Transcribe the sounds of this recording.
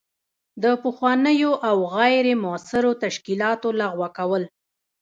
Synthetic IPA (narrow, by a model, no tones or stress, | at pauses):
d̪əpəxwɑnəjoʔawɣajɾemʊasɪɾot̪aʃkilɑt̪olaɣwakawəl